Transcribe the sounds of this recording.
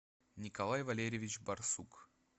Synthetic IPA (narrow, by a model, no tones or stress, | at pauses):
nʲɪkɐlˠajvɐlʲeɾʲɪvʲɪt͡ɕbɐrsuk